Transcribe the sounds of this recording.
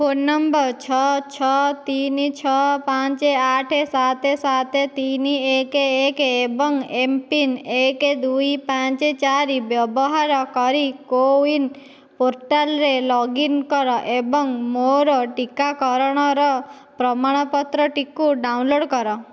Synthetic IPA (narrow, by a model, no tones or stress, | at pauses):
fonːɔmbɔɾt͡ʃʰɔt͡ʃʰɔt̪init͡ʃʰɔpãɲt͡ʃeaʈʰesat̪esat̪et̪iniekeekeːbɔŋempineked̪ujpãɲt͡ʃet͡ʃaɾibjɔbɔɦaɾɔkɔɾikoin | poɾʈalɾelɔɡinkɔɾɔʔebɔŋmoɾɔʈikakɔɾɔɽ̃ɔɾɔ | pɾɔmaɽ̃ɔpɔt̪ɾɔʈikuɖawnloɽkɔɾɔ